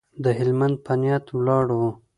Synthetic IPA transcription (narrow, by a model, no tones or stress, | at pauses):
d̪əɦɪlmand̪̚pʰanjɑt̪wlɑɽo